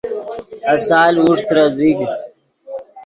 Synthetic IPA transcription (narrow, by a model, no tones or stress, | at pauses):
ɐsaːlwuʂt̪ɾaziɡ